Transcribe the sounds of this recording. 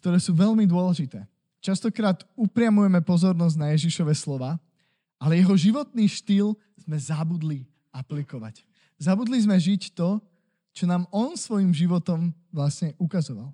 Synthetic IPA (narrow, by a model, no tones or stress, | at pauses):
k̚t̪ɔɾɛːsuːʋɛʎmid̪ʊɔlɛʒit̪ɛː | t͡ʃast̪ɔkɾaːt̪upɾɪamujɛmɛpɔzɔɾnɔzɟnajɛʒiʃɔʋɛslɔʋaː | alɛjɛɦɔʒiʋɔt̪̚niːʃt̪iːl | z̥mɛzabud̪li | aplikɔʋa̰c | zabud̪lizmɛʒict̪ɔ | t͡ʃɔnaːmɔnsʋɔjimʒiʋɔt̪ɔm | ʋlasɲɛʔukazɔʋal